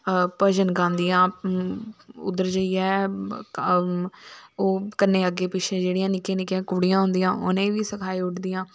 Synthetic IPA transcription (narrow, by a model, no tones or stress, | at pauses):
pəd͡ʒənɡãːnd̪iːãː | ʊ̰d̪əɾd͡ʒəiːɛː | oːkənːeːəɡeːpɪʃʰẽːd͡ʒeːɽijãːnɪkẽːnɪkjãːkʊːɽijãːɦʊ̃nd̪ijãːʔʊnẽːʋiːsəkʰaːiːʊʈd̪iːjãː